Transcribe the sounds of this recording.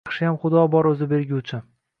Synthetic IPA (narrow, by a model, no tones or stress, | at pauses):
χʃɪjamχʊd̪ɒbɒɾɵzɪbe̞ɾɡʲut͡ʃʰɪ